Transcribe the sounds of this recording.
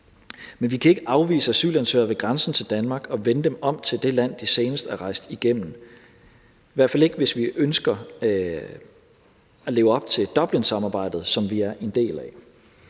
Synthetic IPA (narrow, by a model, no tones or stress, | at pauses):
menʋikʰæe̝ɡ̥əʔɑ̈ʊʋḭːsəæsy̰ːlænsø̰ːɐʋe̝ɡ̥ʁɑnsn̩t͡sʰe̝ld̥ænmɑ̈ːɡ̥ɒ̽ʋenəd̥emɒ̽m̰t͡sʰe̝ld̥e̝læn̰d̥ise̝ːnəsd̥æɐʁɑ̈ɪsd̥iɡ̥em̰n̩ | ʋæɐfæle̝ɡ̥əʋe̝sʋiʔønsɡ̥ɐ | æle̝ːʊɒ̽b̥̚t͡sʰe̝d̥ɒ̽b̥linsɑ̈mɑ̈ːb̥ɑ̈ɪ̰d̥ð̞̩ˠsɒ̽mʋiæɐʔe̝nd̥e̝̰ːlæ